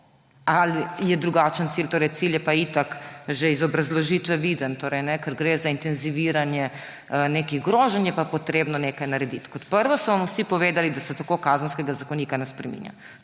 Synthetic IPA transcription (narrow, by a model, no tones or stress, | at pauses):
alijɛd̪ɾuɡat͡ʃənt̪silt̪oːɾɛjt̪siljɛpait̪akʒeizɔbɾazlɔʒiːt̪ʋɛʋiːd̪ənt̪oːɾɛjnɛkəɾɡɾeːzaint̪ɛnziʋiːɾanjɛ | neːkiɣɡɾoːʒɛnjɛpapɔt̪ɾeːbnɔneːkajnaɾɛd̪it̪kɔt̪pəɾʋɔsɔʋamusipɔʋeːd̪alid̪asɛt̪akokaːzənskɛɡazakɔniːkanɛspɾɛmḭnja̰